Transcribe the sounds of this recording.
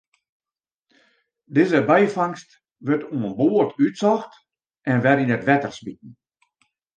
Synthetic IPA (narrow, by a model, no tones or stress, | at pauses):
dɪːzəbɛjfaŋst | ʋətuənboːərtytsɔxt | ʔɛnʋɛrinətʋɛtərsbit̚n̩